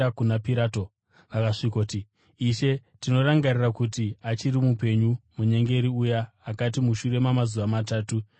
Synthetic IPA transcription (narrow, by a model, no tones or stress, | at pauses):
akunapiɾaːto | ʋakaʂikoːti | iʃe̞tino̞ɾaŋɡarirakutiat͡ʃiɾimupe̞ɲumuɲe̞ŋɡe̞ɾiujaː | kat̬imuʃure̞mamazuʋamataːtu